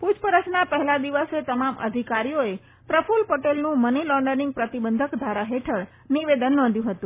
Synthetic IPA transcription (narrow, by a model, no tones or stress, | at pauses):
pud͡ʒpəɾət͡ʃnapəɦɛlad̪iʋəset̪əmamə̰d̪ʱikaɾijoe | pɾəfulpoʈelnũmənilɔ̃ɳɖənĩŋɡ̚pɾət̪ibənd̪ʱəkd̪ʱaɾaɦeʈʰəɽ | niʋed̪ənːɔ̃nd̪ʱjũɦət̪ũ